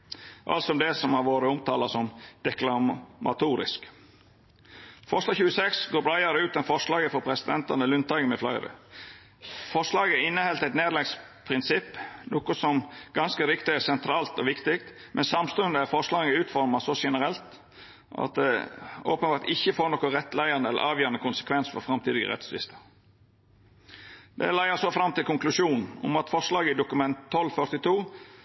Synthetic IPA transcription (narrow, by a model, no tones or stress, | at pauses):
ʔɑ̰lt̪sɔɔmd̪ɛsɔmhɑɾʋoːɾəʊmt̪ʰɑːlɑsɔmd̪̥ɛklɑmʔɑ̰t̪uːɾɪ̰sk | fɔɾʂlɑːɡçʉːəsɛksɡoːɾbɾɑɪɑɾəʉːt̪ɛnfɔʂlɑːɡəfɔɾpʰɾɛsɪd̪ɛnt̪ɑnəlʉnt̪ɑɡəmɛflæɪɾə̰ | fɔʂlɑːɡəɪnːəhɛlt̪æɪt̪neːɾlɛɡspʰɾɪnsɪpːnoːkʊsɔmɡ̥ɑnskəɾɪkt̪ɪæsɛnt̪ʰɾɑːlt̪ɔʋɪkt̪ɪkt̪ | mʔɛnsɑmst̪ʉənd̪əæfɔʂlɑːɡəəʉːt̪fɔɾmɑsɔʂɛnəɾɛlt̪ | ʔɑ̰t̪̚d̪ɛ̰oːpənbɑːɾʈ̪ɪçːəfoːɾnɔkɔɾɛt̪ːlæɪɑnəɛlə̰ɾʔɑːʋjøːɾɑnəkʊnsə̥kʰʋɛnsfɔɾfɾɑmt̪ʰiːd̪ɪɡə̰ɾɛ̰t̪sʋɪ̰st̪ʰə | d̪ɛ̰læɪəsɔfɾɑmt̪ɪlkʊŋklʉʂuːnn̩ʊ̰mɑt̪fɔʂlɑːɡəɪd̪ʊkʉmɛnt̪ʰːɔlːfœɾt̪ɪt̪ʰuː